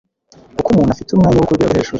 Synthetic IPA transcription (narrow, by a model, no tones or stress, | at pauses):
kukumuːnhafitumŋaːɲewokuiɡa̰βuheːʃu